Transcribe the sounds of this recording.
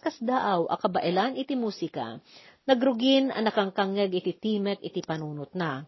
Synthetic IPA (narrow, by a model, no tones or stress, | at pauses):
kɐsd̪aːʔɐwʔɐ̰kɐbɐʔɪlanɪt̪imuːsɪka̰nɐɡɾʊɡɪnʔɐ̰nɐkɐŋkaŋɛɡʔɪt̪it̪iːmɛk̚ʔɪt̪ipɐnuːnʊt̪̚na